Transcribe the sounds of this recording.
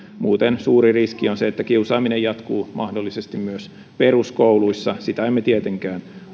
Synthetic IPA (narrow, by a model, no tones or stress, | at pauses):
muːt̪ensuːɾiriskionseet̪ːækiusɑːminejɑt̪kuːmɑhdolːisest̪immyøs | peruskouluisːɑsit̪æemːet̪iet̪eŋkæːn